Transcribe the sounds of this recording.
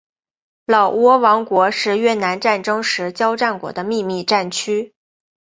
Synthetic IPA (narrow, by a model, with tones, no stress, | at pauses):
lɑ˨˩ʊwɔ˥wɑ˧˥ŋkwɔ˧˥ʂɻ̩˥˧ɥɛ˥˩na˧˥nʈ͡ʂa˥˩nʈ͡ʂɤ˥ŋʂɻ̩˧˥t͡ɕjɑ˥ʊʈ͡ʂa˥˩nkwɔ̰˧˥d̪ə˧mi˥˧mi˥˧ʈ͡ʂa˥˩nt͡ɕʰy˥